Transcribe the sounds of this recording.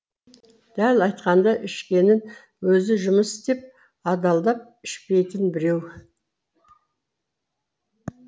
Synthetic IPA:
d̪̥ælɑjt̪qɑnd̪ɑʔɪʃkʲe̞nɪn | wɵzɪʒʊməst̪e̞p̚ | ɑd̪ɑlˠd̪ɑp̚ | ɪʃpe̞jt̪ɪnbɪɾe̞w

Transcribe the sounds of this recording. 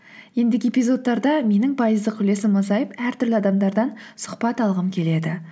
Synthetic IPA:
je̞nd̪eɪɡʲepʲijzo̞t̪ːɑɾd̪ɑme̞nɪŋpʰɑjəzd̪əqʲkʰʲʏle̞sɪmːɑzɑjəpæɾt̪ʰʏɾlɪɑd̪ɑmd̪ɑɾd̪ɑnsʊ̥χpɑt̪ɑlˠʁəmkʲʰe̞le̞d̪ɪ

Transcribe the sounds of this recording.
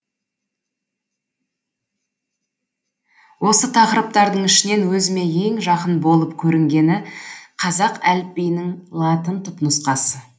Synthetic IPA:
wo̞sət̪ʰɑqəɾəp̚t̪ɑɾd̪əɴɪʃɪne̞nwɵzɪme̞je̞ŋʒɑqənbo̞lˠəpkʲʰɵɾɪŋɡʲe̞nɪqʰɑzɑqælp̚pejnɪŋlˠɑt̪ənt̪ʰʊpnʊsqɑsə

